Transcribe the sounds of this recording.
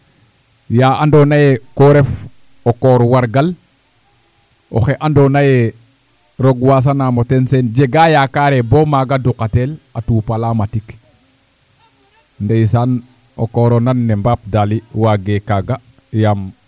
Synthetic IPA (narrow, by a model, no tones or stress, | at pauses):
jaːandonajekoɾef | okɔːɾwaɾɡal | o̰xeʔandonaje | ɾoɡwas̬anamotensend͡ʒeɡaːjakaɾebomaɡadukatelatuːpalamatik | ndejsaːn | o̰kɔːɾonanːɛmbap̚daliwaɡekaɡa | jam